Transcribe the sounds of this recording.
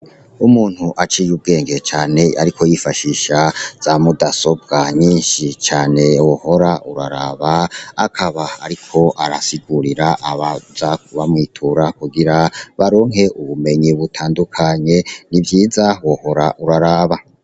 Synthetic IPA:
umuːn̥huʔat͡ʃijub̚ɡe̞ːŋɡe̞t͡ʃaːne̞a̰ɾikʰo̞jifaʃiʃaz̥amudaso̞b̚ɡaɲiːnʃit͡ʃaːne̞woho̞ɾaʔuɾa̰ɾaːβaakʰaβaa̰ɾikʰo̞ʔaɾasiɡuɾiɾaʔaβazakuβamŋiːtʰuɾakuɡiɾaβaɾo̞ːŋɦe̞ʔuβume̞ɲiβutʰaːndukʰaɲe̞nivjiːzawoho̞ɾaʔuɾaɾaːβa

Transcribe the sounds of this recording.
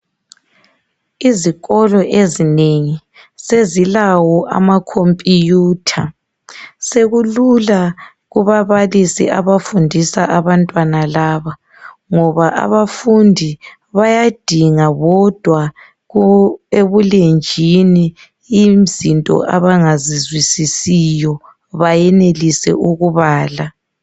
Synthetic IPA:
iziɣɔlɔʔezineŋi | sezilawɔʔa̰makʰompʼijuːtʰa | seɣulula | ɣuβaβalisḭʔaβafundʱisaʔaβantʼwanalaːβa | ŋɔβaʔa̰βafundʱi | βajad̥ʱiŋaβɔd̥ʱwa | ɣueβulend͡ʒʱini | im̩zintʼɔ̰ʔa̰βaŋazizwisisijɔ | βajɛnelisɛ̰ʔuɣuβaːla

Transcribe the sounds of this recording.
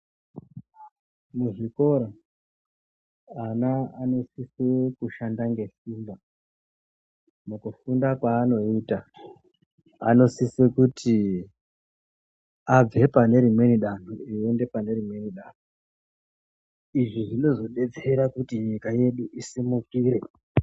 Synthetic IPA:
muɦiko̞ɾa | anaano̞sisekuʃandaŋɡe̞siːmba | mukufundakwaːno̞iːta | a̰no̞sisekuti | ab͡ve̞pane̞ɾimwe̞niɗan̤uiende̞pane̞ɾimwe̞niɗan̤u | iʐiʐino̞zo̞ɗe̞d͡zeɾakutiɲikaje̞ɗuʔisimukiːɾe̞

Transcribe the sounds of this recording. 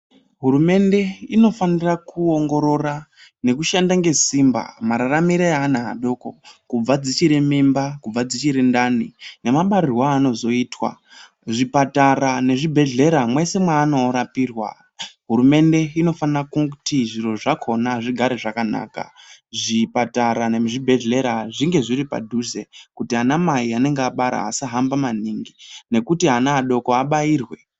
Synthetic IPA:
ɦuɾume̞nde̞ino̞fanirakuoŋɡo̞ɾo̞rane̞kuʃandaŋɡe̞simba̰maɾaramiɾejaːnaɦa̰ɗo̞ːko̰kub͡vad͡zit͡ʃiɾemimbakub͡vad͡zit͡ʃiɾendanine̞maɓaɾirwaːno̞zo̞iːtwa̰ | ʐipatarane̞ʐibʱe̞ɮe̞ɾamwe̞se̞mwaːno̞ɾapiːrwa̰ | ɦuɾume̞nde̞ino̞fankuutiʐiro̞ʐakʰo̞naʐiɡʱaɾe̞ʐakana̰ːka̰ʐipataɾane̞ʐibʱe̞ɮe̞ɾaʐiŋɡe̞ʐiɾipa̰dʱuze̞kutianamaiane̞ŋɡeaɓaɾa̰ːsaɦambamaniŋɡine̞kutiɦanaːɗo̞ko̞aɓaiːrwe

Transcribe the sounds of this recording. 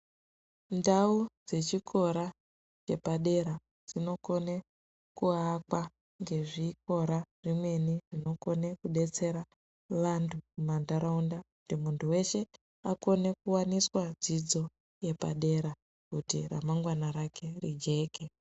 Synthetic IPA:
ndaud͡ze̞t͡ʃikʰo̞ɾa | t͡ʃe̞paɗe̞ɾa | d͡z̥ino̞ko̞ne | kuakwa | ŋɡe̞ʐik̚o̞ɾaʐ̥imwe̞niʐino̞ko̞nekuɗe̞t͡se̞ɾa | ʋantʰuumandaɾaundakutimuntuwe̞ʃe̞ | ako̞ne̞kuwaniswad͡zid͡zo̞ | je̞pa̰ɗe̞ɾa | kutḭra̰maŋɡwanaɾakʰe̞rḭd͡ʒe̞ːke

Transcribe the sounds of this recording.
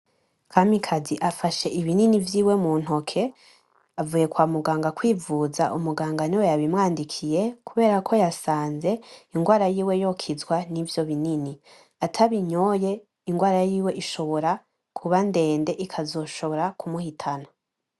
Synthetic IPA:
kʰamikʰaziʔafaʃe̞ʔiβininivjiːwe̞muːn̥ho̞kʰe̞ | avuːje̞kwaːmuɡaːŋɡakwiːvuzaʔumuɡaːŋɡaniwejaβimŋaːndikʰije̞kuβe̞ːɾakʰo̞jasaːnze̞iŋɡwaːɾajiːwe̞jo̞kʰizwanivjoβinini | atʰaβiɲoje̞ | iŋɡwaːɾajiːwe̞ʔiʃo̞βo̞ɾa | kʰuβande̞ːnde̞ʔikʰazo̞ːʃo̞βo̞ɾakumuhitʰana

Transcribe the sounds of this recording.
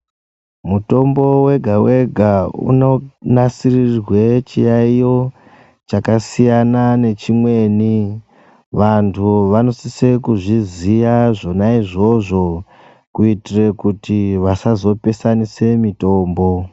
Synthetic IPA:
muto̞mbo̞we̞ɡʱawe̞ɡʱaṵno̞nasirirwe̞t͡ʃijaijo̞ | t͡ʃakasijanane̞t͡ʃimwe̞ːni | ʋantʰuʋano̞sise̞kuʐizijaʐo̞naiʐo̞ʐo̞ | kuitire̞kutiʋasazo̞pe̞sanise̞mito̞ːmbo̞

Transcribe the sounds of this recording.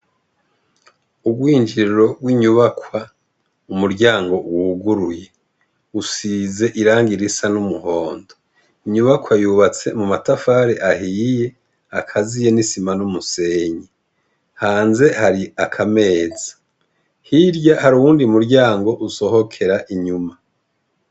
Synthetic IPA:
uɡɡwiːɲd͡ʒiɾiɾo̞ɡwiɲuβakwa | umuɾɟaːŋɡo̞wːɡuɾuje̞ | usize̞ʔiɾaːŋɡiɾisanumuho̞ːndo | iɲuβakwajuβat͡se̞mumatafaːɾeʔaɦiːje̞ | akʰazije̞nisimanumuse̞ːɲi | haːnze̞haɾiakʰame̞ːz̥ḁ | hiɾjahaɾuwuːndimuɾɟaːŋɡo̞ʔuso̞ho̞kʰe̞ɾaʔiɲuma

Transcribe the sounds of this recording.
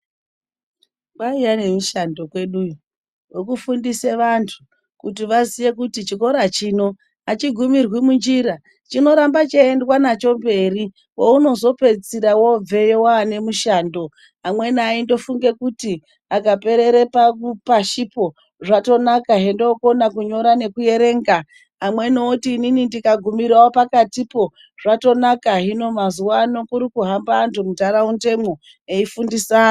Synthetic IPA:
ʋaijane̞muʃando̞kwe̞ɗu | wokufundiseʋantʰu | kutiʋazije̞kutit͡ʃiko̞ɾat͡ʃiːno̞ | at͡ʃiɡʱumirwimund͡ʒiɾa | t͡ʃino̞ɾambat͡ʃeendwanat͡ʃo̞mbe̞ri | wouno̞zo̞pe̞d͡ziɾawo̞b͡ve̞jewaːne̞muʃando̞ | amwe̞naindo̞fuŋɡe̞kuti | akape̞ɾeɾepapaʃipo̞ | ʐato̞nakaɦe̞ndoːko̞nakuɲo̞ɾane̞kuje̞ɾe̞ːŋɡaː | mwe̞nootiːninindikaɡʱumiɾawopakatipo̞ | ʐato̞nakaɦino̞mazuwano̞kuɾikuɦambaːntumutaɾaunte̞mo̞ | eifundisaː

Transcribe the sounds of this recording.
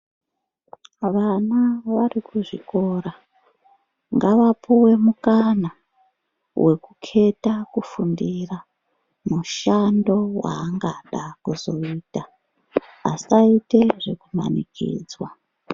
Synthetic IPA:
ʋanaʋarikuʐḭko̞ɾa | ŋɡaʋapʰuwe̞mukana | wʔe̞kukʰe̞takufundira | muʃando̞wa̰ːŋɡaɗakuzo̞iːta | a̰saite̞ʐekuma̰nikḭːd͡zwa

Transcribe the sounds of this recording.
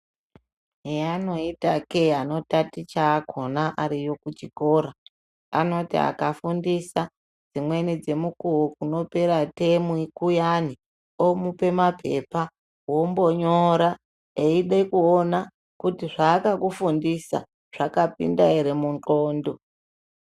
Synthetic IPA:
ejano̞itakeano̞tatit͡ʃaːkʰo̞naʔaɾijo̞kut͡ʃiko̞ːɾa | a̰no̞tḭa̰kafundisa | d͡zimwe̞nid͡ze̞mukuwokuno̞pe̞ɾatemuikujani | omupe̞mapʰe̞̰pa | wombo̞ɲoɾa | eiɗekuona | kutiʐaːkakufundisa̰ | ʐ̥akapḭndaeɾemunt͡ɬoːndo̞

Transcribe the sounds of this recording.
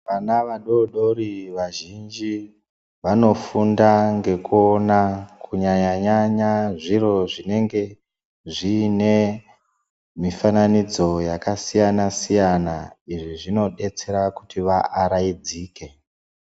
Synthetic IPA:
ʋanaʋaɗo̞ɗo̞ɾiʋaʒind͡ʒi | ʋano̞fundaŋɡe̞kuonakuɲaɲaɲaɲaʐiɾo̞ʐine̞ŋɡe̞ | ʐine̞ | mifananid͡zo̞jakasijanasijanaiʐiʐino̞ɗe̞t͡se̞ɾaku̥tʰiʋaʔːɾaid͡ziːke̞

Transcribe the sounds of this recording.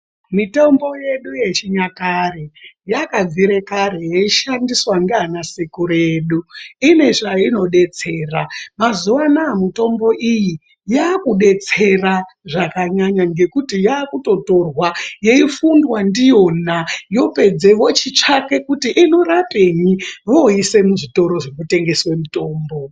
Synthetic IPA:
mitombo̞je̞ɗuje̞t͡ʃiɲakarejakab͡viɾe̞kaɾejeiʃandiswaŋɡanasikuɾe̞ɗuine̞ʐaino̞ɗe̞t͡se̞ːramazuʋanaːmito̞mbo̞ʔiji | jaːkuɗe̞t͡se̞raʐakaɲaɲaŋɡe̞kutijaːkuto̞to̞rwaje̞ifundwandijo̞najo̞pe̞d͡ze̞ʋo̞t͡ʃit͡ʂake̞kutiʔino̞rapeɲiʋoise̞muʐito̞ɾo̞ʐekute̞ŋɡe̞swe̞muto̞ːmbo̞

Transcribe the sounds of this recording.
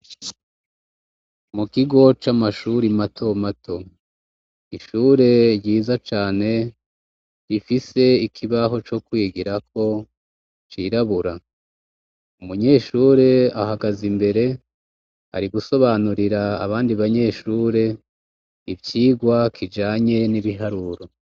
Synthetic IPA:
mukiɡo̞t͡ʃamaʃuɾimatʰo̞matʰo̞ | iʃuːɾe̞ɟiːzat͡ʃaːne̞ | ɾifise̞ikʰiβaɦo̞t͡ʃo̞kwiːɡiɾakʰo̞ | t͡ʃiɾaβuɾa | umuɲe̞ːʃuːɾe̞ahaɡazimbe̞ɾe̞ | a̰ɾiɡuso̞βanuɾiɾa̰ːβaːndiβaɲe̞ːʃuːɾe̞ | ibjiːɡwakʰid͡ʒaːɲe̞niβiɦaɾuːɾo

